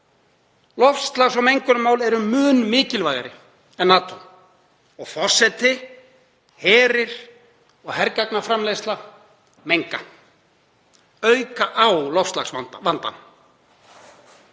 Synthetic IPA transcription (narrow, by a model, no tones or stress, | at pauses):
lɔfst̪laxs̬ɔɣmejŋkʏɾʏmaːwlɛɾʏmʏːnmɪːcɪlvajɣaɾɪ̰ | ɛnːaːt̪ɔ | ɔɣfɔr̥sɛt̪ɪ | hɛːɾɪɾ̥ | ɔɣhɛɾkaknafɾamlejst̪la | mejŋka | œɥkaʔawlɔfst̪laxsavant̪a̰n